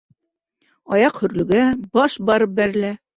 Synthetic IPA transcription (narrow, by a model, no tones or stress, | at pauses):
ɑjɑqhɵ̆ɾlɵ̆ɡæbɑʃbɑɾɤp̚bæɾɘ̆læ